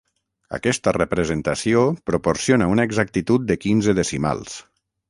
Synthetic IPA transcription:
a̰kɛst̪ərəpɾəzənt̪asiopɾuporsionaunaeɡzak̚t̪it̪ut̪̚d̪əkinzəðəsima̰lˠs

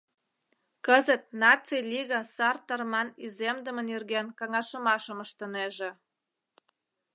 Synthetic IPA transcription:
kəzət̪̚nɑt͡silʲiɣɑsɑrt̪ərmɑnizemd̪əmə̆nirɣenkɑŋɑʃəmɑʃəməʃt̪əneʒĕ

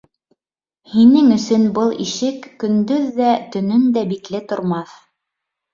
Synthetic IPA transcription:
hinɘŋɵ̆sɵnbɤlˠḭʃɘkːɵ̆nd̪ɵðːæt̪ɵ̆nɵnd̪æbiklɘt̪ŏɾmɑθ

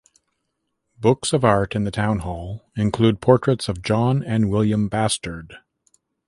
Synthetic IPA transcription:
b̥ʊksʌvɑɹɾɨ̃nðɨtʰãʊ̃nhɔlˠɨ̃nkʰl̥ʉd̚pʰɔɹt͡ʃɹ̥ɨtsʌvd͡ʒɑ̃nɨ̃nwɪlˠjɨ̃mbæstə˞d̥

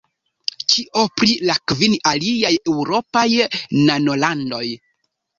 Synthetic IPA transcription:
t͡ʃiʔo̞pɾilakvinaliaje̞wɾo̞pajnano̞lando̞j

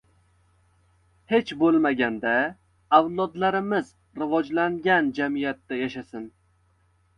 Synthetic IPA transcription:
he̞t͡ʃbolˠmaɡʲand̪a | awlˠɒd̪laɾɪmɪz | ɾɪvɒd͡ʒlaŋɡʲand͡ʒamijat̪ːajaʃasɪn

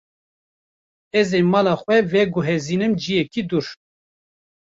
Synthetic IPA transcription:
ɛzeːmɑːlɑːxwɛvɛɡʊɦɛziːnɨmd͡ʒijɛkid̪uɾ

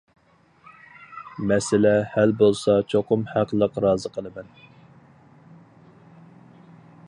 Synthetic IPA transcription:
mɛsɪlɛhælbolˠsɑt͡ʃʰoqʰʊmhæqlˠəqɾɑːzəqʰəlˠɨmɛn

